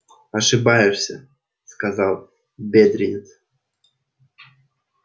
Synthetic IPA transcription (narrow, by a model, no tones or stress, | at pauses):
aʂɨbajɪʂsʲə̰ | skazɑlˠ | bʲed̪ɾʲɪnʲɪt̪s